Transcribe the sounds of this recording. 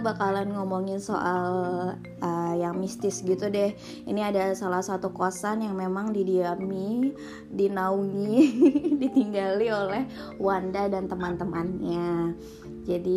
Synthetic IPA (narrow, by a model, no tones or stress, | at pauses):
bakalanŋɔmɔŋɪnso̰ʔal | ʔəjaŋmist̪ɪsɡit̪udɛh | ḭniadasalahsat̪ukasanjaŋmemaŋdidiami | dinauŋidit̪iŋɡaliolɛh | wandadant̪əmant̪əmanɲa | d͡ʒadi